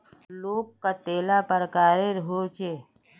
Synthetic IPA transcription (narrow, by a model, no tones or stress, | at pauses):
loːɡkat̪eːlapəɾəkaːɾeɾɦoːt͡ʃeː